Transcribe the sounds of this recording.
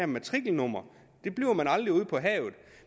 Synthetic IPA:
æɐmæt͡sʰʁiɡ̥l̩nɔm̰ɐ | d̥e̝b̥liʊɐmænɑ̈ld̥ʁiuð̞̰ˠpʰɒ̽ɦɛ̰ːʊð̩ˠ

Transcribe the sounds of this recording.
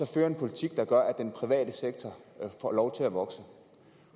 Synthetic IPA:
sɒ̽føːɐe̝npʰo̝lit͡sʰiɡ̥̚d̥ɑ̈ɡ̥ɶɐʔæd̥enpʰʁiʋɛ̰ːd̥əseɡ̥̚t͡sʰɒfɒ̰ːlɒʊt͡sʰe̝læʋɒ̽ɡ̥sə

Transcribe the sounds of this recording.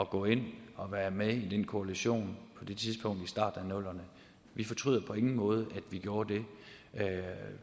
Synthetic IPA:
ɒ̽ɡ̥ɔ̰̽ːe̝n̰ɒ̽ʋæːɐmeid̥enkʰo̝æliɕo̝̰ːnpʰɒ̽d̥e̝t͡sʰiðˠsb̥ʰɔ̽ŋ̰d̥isd̥ɑ̈ːd̥n̩ænɔ̽l̰ɐnə | ʋifɒ̽t͡sʰʁy̰ð̰ˠɐpʰɒ̽e̝ŋn̩mɔ̽ːð̞ˠəʔæd̥ʋiɡ̥jo̝ːɐd̥e̝

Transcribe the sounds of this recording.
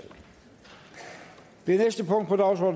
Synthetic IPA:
d̥enesd̥əpʰɔ̽ŋ̰d̥̚pʰɒ̽d̥ɑ̈ʊsɔ̰d

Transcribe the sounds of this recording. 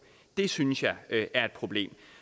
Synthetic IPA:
d̥e̝synsjɑ̈ɪʔæɐe̝d̥̚pʰʁo̝b̥le̝̰ːm

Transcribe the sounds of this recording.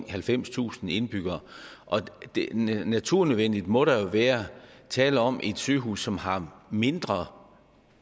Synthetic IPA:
hælfem̰st͡sʰṵːsn̩e̝nb̥yɡ̥ɐːʔɒ̽d̥næt͡sʰuɐ̰nøðˠʋen̰d̥id̥mɔ̽ɾɑ̈jo̝ʋæːɐɐt͡sʰɛ̰ːləɒ̽mʔe̝d̥sø̰ːɦṵːsːɒ̽mhɑ̈me̝nd̥ʁɐ

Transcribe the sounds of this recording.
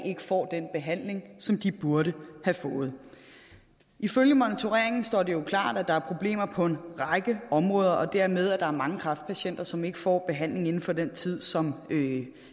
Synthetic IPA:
e̝ɡ̥ə̥fɒ̰ːd̥enb̥e̝ɦæn̰le̝ŋsɒ̽md̥ib̥uɐɾəhæfɔ̽ːð̞̩ˠ | ʔiføljəmɔnit͡sʰo̝ʁeɐ̰e̝ŋn̩sd̥ɒ̰ːd̥e̝jo̝kʰlɑ̰̈ːd̥æd̥ɑ̈æɐpʰʁo̝b̥le̝̰ːmɐpʰɒ̽e̝nʁɑ̈ɪɡ̥əɒ̽mʁɔːð̞ˠɐʔɒ̽d̥æɐ̰með̞ˠæd̥ɑ̈æɐmɑ̈ŋəkʰʁɑ̈fd̥̚pʰæɕen̰d̥ɐsɒ̽me̝ɡ̥əfɒ̰ːb̥e̝ɦæn̰le̝ŋe̝n̩fɒ̽d̥ent͡sʰið̞̰ˠsɒ̽mø

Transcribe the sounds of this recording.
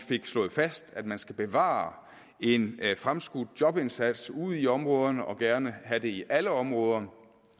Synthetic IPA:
fe̝ɡ̥slɔ̽ːð̩ˠfæsd̥æd̥mænsɡ̥æb̥e̝ʋɑ̰̈ː | e̝nfʁamsɡ̥ud̥jɒ̽b̥e̝nsæd̥suð̞̰ˠiɒ̽mʁɔ̽ːð̞ˠɐnəʔɒ̽ɡ̥æɐnəɦæd̥e̝iʔæləɒ̽mʁɔ̽ːð̞ˠɐ

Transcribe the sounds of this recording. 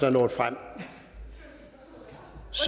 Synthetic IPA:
ɐnɔ̰ːd̥fʁam̰ | s

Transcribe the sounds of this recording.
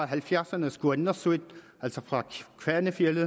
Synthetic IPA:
ɦælfjæɐsɐnəsɡ̥uenːɐsød̥ | ælsɒ̽fʁɑ̈kʰʋæɐnəfjelð̩ˠ

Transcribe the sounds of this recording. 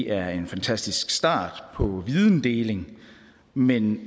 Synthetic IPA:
ʔæɐe̝nfænt͡sʰæsd̥isɡ̥sd̥ɑ̰̈ːd̥pʰɒ̽ʋiðˠn̩d̥e̝ːle̝ŋ | men

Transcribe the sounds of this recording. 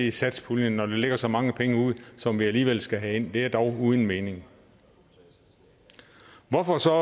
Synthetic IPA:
isæd̥spʰulnənːɒd̥e̝le̝ɡ̥ɐsɒ̽mɑ̈ŋəpʰeŋəuð̞̰ˠsɒ̽mʋiæliːʋel̰sɡ̥æɦæe̝n̰d̥e̝æɐd̥ɒʊuːðˠən̩me̝ːne̝ŋ | ʋɒfɒ̽sɒ̽

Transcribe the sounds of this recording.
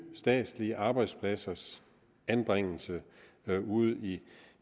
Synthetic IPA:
sd̥ɛ̰ːd̥sliəʔɑ̈ːb̥ɑ̈ɪd̥spʰlæsɐs | ænb̥ʁeŋ̰l̩sə | uð̞̰ˠi

